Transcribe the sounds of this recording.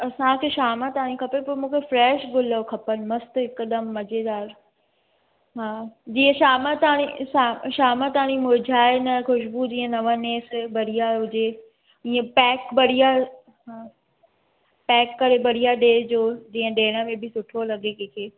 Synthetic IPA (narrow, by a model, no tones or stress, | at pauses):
ɐsãkʰeːʃaːmat̪aːɽ̃ĩkʰɐpepɐɾmũːkʰefɾɛːʃɡʊləokʰɐpənɪ̆mɐst̪ɦɪkɗ̪əmːɐd͡ʑed̪aːɾ | ɦaːd͡ʑiːə̃ʃaːmət̪aːɽ̃iʃaʃaːmãt̪aːɽ̃ĩmʊd͡ʑʱaːɪnɐxʊʃbud͡ʑiːə̃nɐʋəneːsbɐɽijaɦʊd͡ʑe | iːə̃pɛːkbɐɽ̤ija | ɦaː | pɛːkːɐɾebɐɽ̤ijaɖeːd͡ʑoːd͡ʑiːə̃ɗeːɽ̃əmẽbɪsʊʈʰolɐɠekẽːkʰeː